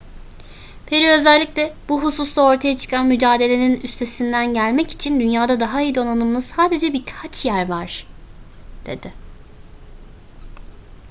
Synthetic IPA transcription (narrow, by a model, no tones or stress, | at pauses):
pʰeɾiø̞zælʲːiclʲɛbuɦususlˠao̞ɾt̪ʰajat͡ʃʰɯ̥kʰanmyd͡ʒaːd̪e̞lʲe̞ninyst̪ʰe̞sind̪ænɟælʲmɛci̥t͡ʃʰind̪ynjaːd̪ad̪aɦaijid̪o̞nanɯmlˠɯssaːd̪e̞d͡ʒɛbikʰat͡ʃʰjæɾvaɾ̥ | d̪̥e̞̰d̪̥ɪ